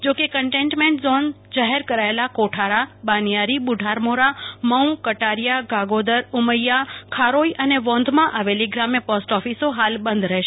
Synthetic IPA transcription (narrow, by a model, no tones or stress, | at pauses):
d͡ʒokekəɳʈẽɳʈmẽɳʈzon | d͡ʒaɦeɾkəɾaelakoʈʰaɾabanijaɾibʊɖʱaɾmoɾaməw̃kəʈaɾjaɡaɡod̪əɾʊməjːakʰaɾoiʔəneʋɔ̃nd̪ʱmãʔaʋeliɡɾamepɔsʈɔfisoɦalbə̃nd̪ʱɾəɦʃe